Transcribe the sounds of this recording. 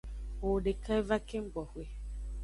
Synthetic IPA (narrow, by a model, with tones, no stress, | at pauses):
o˨ɖe˨kʰa˦e˦va˦ke˦ŋ͡m̩˦ɡ͡bɔ˨hwe˦